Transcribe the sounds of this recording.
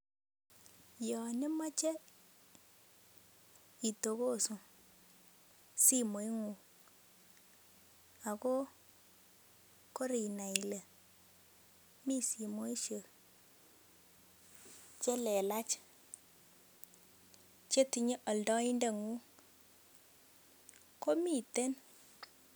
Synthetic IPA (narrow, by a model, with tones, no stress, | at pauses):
jɔ˨nɪ˦ma˦t͡ʃe˦ | i˨to˨ko˦su˨ | si˦mo˨˦i˦ŋu˨ | a˨ko˦ | ko˦ɾi˨na˨i˨le˨ | mi˦si˨mo˦i˦ʃə˨ | t͡ʃe˦lɛ˨la˦t͡ʃ | t͡ʃe˦ti˨ɲe˦ʔɔ˨ldɔ˦i˦nde˦˨ŋu˦ | ko˦mi˦˨te˦n